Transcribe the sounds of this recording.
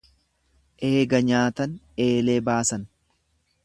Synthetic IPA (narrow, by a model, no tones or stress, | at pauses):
ʔe̞ːɡɐɲaːt̪ɐn | e̞ːle̞ːbaːsɐn